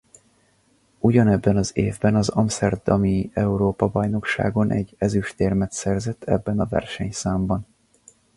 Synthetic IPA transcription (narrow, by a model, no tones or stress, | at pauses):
uɟɒnɛbːɛnɒzeːvbɛnɒzɒmsɛrdd̪ɒmiɛuɾoːpɒbɒjno̞kʃa̰ːɡo̞nʔɛ̰ɟːɛzyʃt̪eːrmɛt̪sɛrzɛt̪ːʰɛbːɛnɒvɛ̰rʃɛɲsaːmbɒn